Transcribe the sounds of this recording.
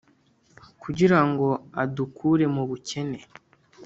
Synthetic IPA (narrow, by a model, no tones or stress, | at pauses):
kuɟiɾaŋɡo̞adukʰuːɾe̞muβuce̞ne̞